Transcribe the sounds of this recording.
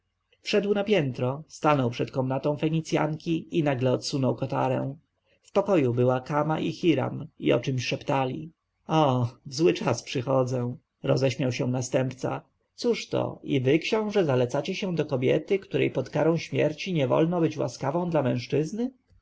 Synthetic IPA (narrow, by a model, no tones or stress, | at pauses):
fʂɛd̪wnapʲjɛnt̪ɾɔst̪anɔwpʂɛt̪kɔmnat̪ɔ̃w̃fɛɲit̪sʲja̰ŋkʲiinaɡlɛɔt̪sunɔwkɔt̪a̰ɾɛ̰w̃ | fpɔkɔjubɘwakamaʔixʲiɾa̰mḭɔ̰t͡ʂɘmɕʂɛpt̪alʲḭ | ɔzwɘt͡ʂaspʂɘxɔd̪zɛ̃ | ɾɔzɛɕmʲjawɕɛ̃nast̪ɛmpt̪sa̰ | t̪suʂt̪ɔ̰ivɘkɕɔ̃w̃ʐɛzalɛt̪sat͡ɕɛɕɛ̃d̪ɔkɔbʲjɛt̪ɘkt̪uɾɛ̰jpɔt̪kaɾɔ̃w̃ɕmʲjɛɾt͡ɕiɲɛvɔ̰lnɔbɘt͡ɕwa̰skavɔ̃w̃d̪lamɛ̃w̃ʂt͡ʂɘznɘ